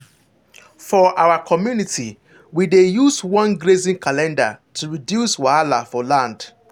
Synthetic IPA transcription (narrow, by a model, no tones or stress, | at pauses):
fɔʔaʊwakʰɔmjuniti | widejuswɔ̃nɡɾezĩnkʰalɛ̃nda̰tʰuɹidjuswaalafɔlãnd̥